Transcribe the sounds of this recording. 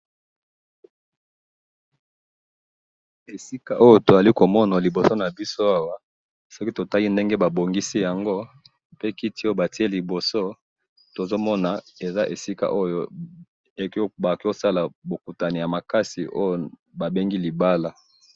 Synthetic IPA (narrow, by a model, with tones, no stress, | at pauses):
e˨si˦ka˨ʔo˦jo˦to˨za˨li˦ko˨mɔ˦na˨li˨bo˨so˦na˨bi˦so˦a˦wa˦ | sɔ˦ki˦to˨ta˦li˦nde˦ŋɡe˦ba˨bo˨ŋɡi˦si˦ja˨ŋɡo˦ | pe˦ki˦ti˦o˦o˦ba˨ti˦e˦li˨bo˨so˦ | to˨zo˦mɔ˦na˨e˨za˦ʔe˨si˦ka̰˨ʔo˦jo˦ | e˨kba˨ko˦sa˦la˨bo˨ku˨ta˨ni˨ja˨ma˨ka˦si˨ʔo˦jo˦ | ba˨be˦ŋɡi˦li˨ba˦la˨